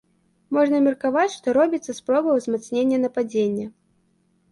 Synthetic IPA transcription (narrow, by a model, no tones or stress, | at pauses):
mɔʐnɐmʲɛrkavat͡sʲʂt̪ɔɾɔbʲit̪sːɐspɾɔbɐwzmat̪snʲenʲːɐnɐpad͡zʲenʲːɐ